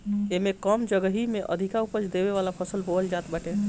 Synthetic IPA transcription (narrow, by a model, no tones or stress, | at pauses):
emekəmd͡ʒəɡəɦimeʔə̰d̪ʱikaupət͡ʃd̪ebeʋalapʰəsəlbold͡ʒat̪bəʈe